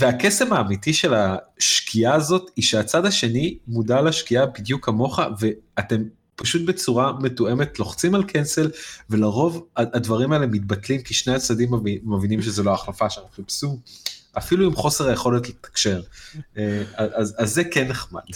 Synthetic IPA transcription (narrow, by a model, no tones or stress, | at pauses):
veakesemaːmitiʃe̞laʃkʰiaːzo̞tiʃeat͡sadaʃe̞nimudalaʃkiabid̪jukamo̞χa̰ve̞ate̞m | paʃut̪̚bet͡suʁame̞tue̞me̞tlo̞χt͡simalkʰense̞lve̞laʁo̞vaadvaʁimaeleemit̚batlimkiʃne̞jat͡sadimiːavinimʃezoloaχlafaʃemχipsuʔafiluimχo̞seʁaje̞χo̞letlet̪ḁkʃe̞ʁeaʔazazːekene̞χma̰d̥